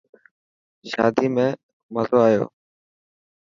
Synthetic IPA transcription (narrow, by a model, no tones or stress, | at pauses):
ʃa̰ːd̪iːmẽː | məzoːaːjo̰ː